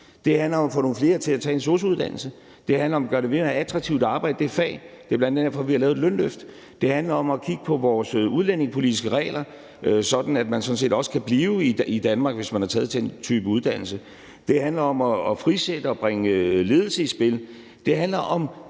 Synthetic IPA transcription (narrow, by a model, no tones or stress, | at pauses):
d̥e̝hænlɐɒ̽mɒfɔ̽ːno̝ːnfle̝ːɐt͡sʰe̝læt͡sʰɛ̰ːenso̝ːs̬əuðˠd̥æn̰l̩sə | d̥e̝hænlɐɒ̽mæɡ̥ɶɐɾe̝ʋe̝mææt͡sʰʁɑ̈ɡ̥̚t͡sʰiʊd̥ɑ̈ːb̥ɑ̈ɪd̥ə̥d̥efɛ̰ːd̥e̝b̥lænd̥eneɐfɒ̽ʋihɑlɛ̰ːʊedlønløfd̥ | d̥e̝hænlɐɒ̽mɒkʰiɡ̥əpʰɒ̽ʋɒːsuð̞ˠlen̰e̝ŋspʰo̝lid̥is̬ɡ̥əʁɛ̰ːlɐ | øsɒ̽d̥n̩æd̥mænsɒ̽n̩se̝̰ːd̥ɒ̽sə̥kʰæb̥liːʊiid̥ænmɑ̈ːɡ̥ʋe̝smænhɑ̈t͡sʰɛːð̞̩ˠt͡sʰent͡sʰyːb̥əuð̞ˠd̥æn̰l̩sə | d̥e̝ɦænlɐɒ̽mɒːfʁised̥əɒ̽b̥ʁaeŋəle̝ːð̞ˠl̩səisb̥e̝l | d̥e̝ɦænlɐʔɒ̽m